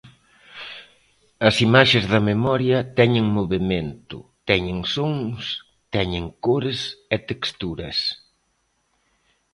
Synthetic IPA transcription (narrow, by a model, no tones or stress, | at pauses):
ɐsimaʃezðɐmemɔɾjɐt̪ɛɲeŋmoβemẽnt̪ʊ̰t̪ɛɲeŋsoŋs | t̪ɛɲeŋkoɾɪsɛt̪ekst̪uɾɐ̰s